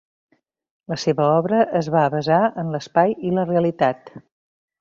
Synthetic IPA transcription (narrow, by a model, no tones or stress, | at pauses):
ləseβəɔβɾəʔəzβaβəzaənləspajiləreəlit̪at̪